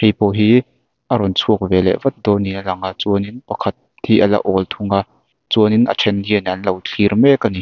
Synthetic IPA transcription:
hejpɔɦi | ʔɐɾɔnt͡sʰuək̚vɛlɛ̰ʔvɐt̪̚d̪ɔninalɐŋaʔt͡suəninpɐkʰɐt̪̚ | hiʔɐlɐ̰ʔɔlt̪ʰuŋa | t͡suəninʔə̰t͡ʃʰɛndiənʔɐnlɐwt͡ɬʰirmɛkani

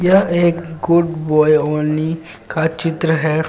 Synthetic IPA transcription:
jɐeːkɡʊɖbɔːjoni | kat͡ʃɪt̪ɾəɦɛ

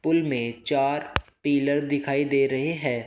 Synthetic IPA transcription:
pʊlmẽt͡ʃaːɾpiːləɾd̪ɪkʰaːid̪eːɾɐɦeɦɛ̃ː

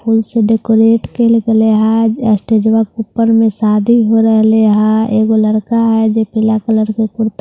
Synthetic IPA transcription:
pʰuːlseɖekoɾeːʈkelkeleɦãəsʈeːd͡ʒʋakupːəɾmẽsaːd̪ʱiɦoɾəɦleɦãeːɡoləɾkaɦɛd͡ʒepɪlakələɾkekʊɾt̪

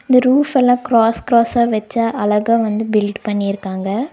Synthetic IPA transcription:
ɪnd̪ɐɾuːfɛlːãːkɾaːskɾaːsaːʋɛt͡ʃːaːʔɐlɐɣaːʋɐnd̪ɯbɪlʈpɐɳːɪɪɾɯkːaːŋɡɐ

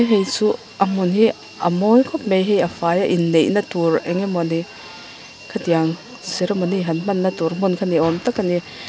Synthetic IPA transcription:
ɦejt͡su | ʔɐmunɦi | ɐ̰mɔnkʰɔp̚mejɦejɐfajaʔinːejʔnɐtuɾɛŋemɔni | kʰatijaŋ | seɾɐmɔniɦɐnmɐnːɐtuɾmunkʰaniɔmtakʰːani

